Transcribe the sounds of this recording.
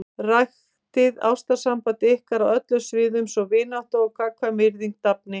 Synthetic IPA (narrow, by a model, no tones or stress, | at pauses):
rajx | t̪ɪða̰wst̪asampat̪ɪɪhkaɾawœt̪lʏsvɪːðʏmsɔɣvɪːnawht̪aɔɣkʰaːkʰvamɪɾðiŋk̚t̪ap̚nɪ